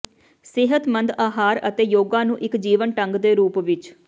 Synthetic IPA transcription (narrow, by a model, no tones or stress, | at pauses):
sɪɦət̪mənd̪aːɦaːɾə̰t̪eːjoːɡãːnũːʔɪkd͡ʒiːʋənʈəŋɡd̪eːɾuːpʋɪt͡ʃ